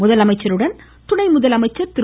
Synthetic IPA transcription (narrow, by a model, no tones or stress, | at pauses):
ʊðɐlɐmɐɪt͡ʃːɐɾɯɽɐn | t̪ʊɳɐɪmʊðɐlɐmɐɪt͡ʃːɐɾt̪ɪɾ